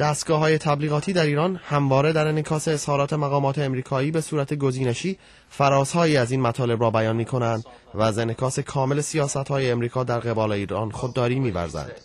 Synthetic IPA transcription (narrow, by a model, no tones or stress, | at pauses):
d̪̥æːst̪̚ɡɒːɦɒːje̞t̪ʰæbliːɣɒːt̪ʰiːd̪æɾiːɾɒnhæmvɒːɾed̪æɾenekʰɒːse̞ːz̥hɒːɾɒːt̪ʰe̞mæɣɒːmɒːt̪ʰeːmɾiːkʰɒːiːbe̞suːɾæt̪ʰe̞ɡo̞ziːne̞ʃiː | fæɾɒːzhɒːjiːæziːnmæt̪ʰɒːle̞bɾɒːbæjɒːnmiːkʰo̞nænd̪ | væzenekʰɒːse̞kʰɒːme̞le̞sijɒːsæt̪hɒːjeːmɾiːkʰɒːd̪æɾɣe̞bɒːle̞iːɾɒ̰nxod̪ːɒːɾiːmiːvæ̰ɾzæ̰nd̪̥